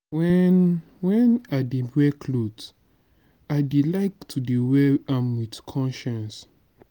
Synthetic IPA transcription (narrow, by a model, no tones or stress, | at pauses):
wɛn | wɛ̃nadebɹɛkʰlot | aɪdilaɪktʰuduwɛãmwidkʰɔ̃nʃãns